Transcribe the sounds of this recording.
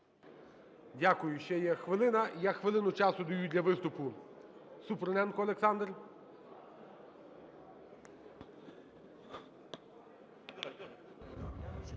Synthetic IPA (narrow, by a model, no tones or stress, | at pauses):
dʲakʊjʊʃt͡ʃɛjɛxʋɪlˠɪnɐjaxʋɪlˠɪnʊt͡ʃɑsʊd̪ɐjudʲlʲɐʋɪst̪ʊpʊ | supɾnɛnkɔɐlˠeksɑnd̪rʲ